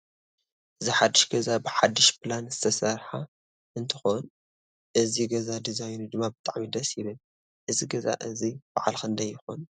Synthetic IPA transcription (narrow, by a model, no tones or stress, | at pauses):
ʔɨziħad̪ːɨʃɡɐzabɨħad̪ːiʃpʰlanzɨt̪ʰɐsɐɾħa | ʔɨnt̪ʰɨxon | ʔɨziɡɐzad̪izajnud̪ɨmːabɨt̪ʼaʕmid̪ɐsjɪβɨl | ʔɨziɡɐza̰ʔɨzib̥aʕalkɨnd̪ɐjːɪxo̰n